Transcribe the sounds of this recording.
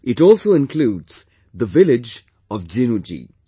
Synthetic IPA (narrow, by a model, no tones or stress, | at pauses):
ɪʈɔːlsoːɪ̃nkluːɖz̥ | d̪əʋɪlɪd͡ʒ | ɔvd͡ʒinud͡ʒḭ